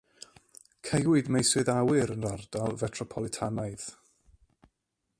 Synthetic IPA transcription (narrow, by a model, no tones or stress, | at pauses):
kʰejwʊɨdmejswɨðawɪɾənrard̥alˠvɛtʰrɔpʰɔlˠɪtʰanajð